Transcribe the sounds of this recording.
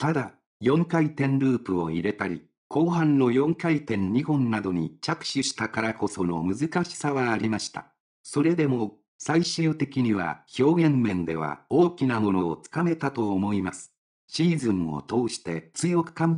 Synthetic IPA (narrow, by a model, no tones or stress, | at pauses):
t̪ad̪a | jõ̞ŋkait̪ẽ̞nɾɯːpɯ̟o̞̰iɾe̞t̪aɾʲḭ | kʰo̞ːɦãnːo̞jõ̞ŋkait̪ẽ̞ɲ̟ɲihõ̞nnad̪o̞ɲ̟it͡ɕakɯ̟̥ɕɨɕi̥t̪akaɾako̞so̞no̞̰mɯ̟zɨkaɕi̥saβaːɾʲimaɕi̥t̪a̰ | so̞ɾe̞d̪e̞mo̞ | saiɕɨɯːt̪e̞kʲiɲ̟iβa̰ço̞ːɡẽ̞mːẽ̞nd̪e̞̰β̞a̰oːkʲinamo̞no̞ːt͡sɨ̥kame̞t̪at̪o̞ːmo̞imasɨ̥ | ɕiːzɨ̃ŋo̰t̪o̞ːɕi̥t̪e̞t͡sɨjo̞kɯ̥kãm